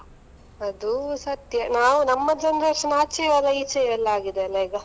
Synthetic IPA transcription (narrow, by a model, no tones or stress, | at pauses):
ɐd̪usɐt̪jɐnaːʋunɐmːɐd̪ɐnd̪ɐsɐnaːt͡ʃiʋaːlɐit͡ʃɐɐlːaːɡid̪eɐlːɐiːɡɐ